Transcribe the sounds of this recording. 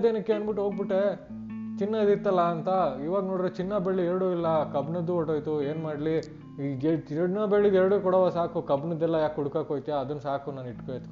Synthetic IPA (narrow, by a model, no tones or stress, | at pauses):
d̪eːnɐkːeeːnbiʈːuɦoːɡ̚biʈːe | t͡ʃinːɐd̪iɾt̪ːɐlːɐːnt̪ɐiːʋaːɡno̞ːɽiɾot͡ʃinːɐbeɭːiɛɾɽuilːɐkɐbnɐd̪ːuoʈːoːjt̪ueːnmaːɽli | t͡ʃiɽnɐbeɭːid̪ɛɾɐɽukɔɽɐːʋaːsaːkukɐbnɐd̪ːɛlːɐjaːkuɽukaːkoːjt̪ijaɐd̪ɐnːsaːkunaːniʈkojɐt̪k